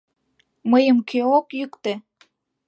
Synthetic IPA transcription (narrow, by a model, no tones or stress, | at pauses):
məjəmkʰøokjykt̪e